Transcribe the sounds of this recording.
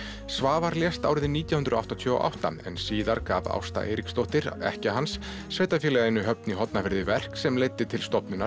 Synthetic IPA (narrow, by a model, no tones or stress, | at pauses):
svaːvaɾljɛst̪a̰wɾɪðɪniːt̪jawhʏnɾʏɔa̰wht̪ɔt̪ʰjœːɣo̰ʔa̰wht̪a̰ɛ̰nsiːðaɾka̰ːva̰wst̪a̰ʔḛjɾikst̪owht̪ɪɾɛ̰hcaɦansː | vejt̪afjɛlɛɣɪnːʏɦœpniɦɔt̪nafɪɾðɪvɛr̥ksɛmlejt̪ːɪt̪ʰɪlst̪ɔpnʏna